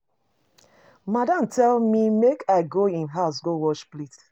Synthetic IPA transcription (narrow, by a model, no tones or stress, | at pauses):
madãmtʰɛlmimekʰaɪɡoĩnɦaʊsɡowɔʃplit